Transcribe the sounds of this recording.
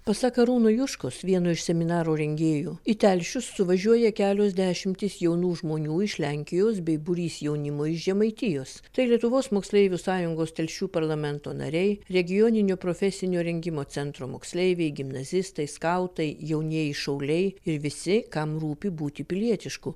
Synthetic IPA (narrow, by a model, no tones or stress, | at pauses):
pɐsɑːkɐɾuːnojʊʃkosʋʲiɛnoːɪʃsʲɛmʲɪnɑːɾoːɾʲɛŋʲɡʲeːjuːɪt̪ʲɛlʲʃʲʊsːʊʋɐʒʲuɔjɛkʲæːlʲoːzʲd̪ʲæːʃʲɪmʲt̪ʲɪsjɛʊnuːʒmoːnʲuːɪʃlʲæŋʲkʲɪjoːsbʲɛɪbʊɾʲiːsjɛʊnʲɪmoːɪʃʒʲɛmɐɪt̪ʲɪjoːst̪ɐɪlʲiɛt̪ʊʋoːsmoːksʲlʲɛɪʋʲuːsɑːjʊŋɡoːst̪ʲɛlʲʃʲuːpɐɾlˠɐmʲɛnt̪oːnɐ̰ɾʲɛɪɾʲɛɡʲɪjoːnʲɪnʲoːpɾoːfʲɛsʲɪnʲoːɾʲɛŋʲɡʲɪmoːsʲɛnt̪ɾoːmoːksʲlʲɛɪʋʲɛɪɡʲɪmnɐzʲɪst̪ɐɪskɐʊt̪ɐɪjɛʊnʲiɛjɪʃɐʊlʲɛɪɪɾʋʲɪsʲɪkɐmruːpʲɪbuːt̪ʲɪpʲɪlʲiɛt̪ʲɪʃkʊ